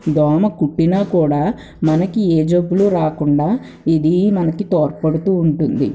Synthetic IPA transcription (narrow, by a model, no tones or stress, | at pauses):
d̪ɔːmɐkuʈːinɐkuːɽaː | mɐnɐkieːd͡ʒɐbːuluɾaːkuɳɖaː | id̪imɐnɐkit̪oːɾpɐɽut̪uːɳʈund̪ḭ